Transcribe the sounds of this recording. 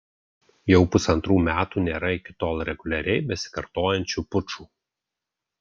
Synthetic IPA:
jɛʊpʊsɐnt̪ɾuːmʲæːt̪uːnʲeːɾɐɪkʲɪt̪oːlˠɾʲɛɡʊlʲɛɾʲɛɪbʲɛsʲɪ̥kɐɾt̪oːjɛnʲt͡ʃʲuːpʊt͡ʃuː

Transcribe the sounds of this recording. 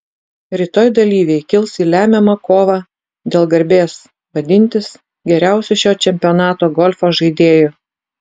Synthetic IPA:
ɾʲɪt̪oːjd̪ɐlʲiːʋʲɛɪkʲɪlˠsiːlʲæːmʲɛmɐkoːʋɑː | d̪ʲeːlˠɡɐɾʲbʲeːs | ʋɐd̪ʲɪnʲt̪ʲɪs | ɡʲɛɾʲæˑʊsʲʊʃʲoːt͡ʃʲɛmʲpʲɪoːnɑːt̪oːɡɔlʲfoːʒɐɪd̪ʲeːjo

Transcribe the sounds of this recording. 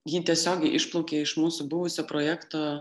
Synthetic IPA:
jiːt̪ʲiɛsʲoːɡʲɛɪʔɪʃplˠɔʊkʲeːɪʃmuːsʊbʊʋʊsʲoːpɾoːjæːkt̪oː

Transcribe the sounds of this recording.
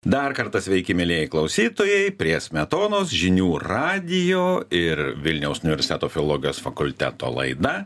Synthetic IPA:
d̪ɐɾkɐɾt̪ɐsʲʋʲɛɪkʲɪmʲɪlʲiɛjɛɪklˠɐʊsʲiːt̪oːjɛɪpʲɾʲiɛsʲmʲɛt̪oːnoːsʒʲɪnʲuːɾɑːd̪ʲɪjoːɪɾʋʲɪlʲnʲɛʊsʊnʲɪʋʲɛɾʲsʲɪt̪ʲæːt̪oːfʲɪoːlˠoːɡʲɪjoːsfɐkʊlʲt̪ʲæ̰ːt̪o̰ːlˠɐ̰ɪd̪ɐ

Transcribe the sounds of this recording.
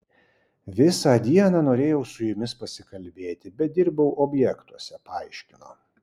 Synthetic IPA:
ʋʲɪsɑːd̪ʲiɛnɑːnoːɾʲeːjɛʊsʊjʊmʲɪspɐsʲɪkɐlʲbʲeːt̪ʲɪbʲɛt̪̚d̪ʲɪɾbɐʊʔobʲjɛkt̪uɔsʲɛpɐɑˑɪʃʲkʲɪno̰ː

